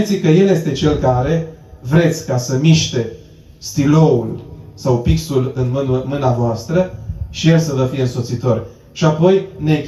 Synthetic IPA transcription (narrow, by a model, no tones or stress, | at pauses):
t̪sikəje̞lje̞st̪e̞t͡ʃe̞lkaɾe̞ | vɾe̞t̪sʲkasəmiʃt̪e̞ | st̪ilo̞ulsawpiksulɨnmɨnavoast̪ɾəʃijelsəvəfije̞ɨnso̞t̪sit̪o̞rʲ | ʃiapo̞jne̞kʲ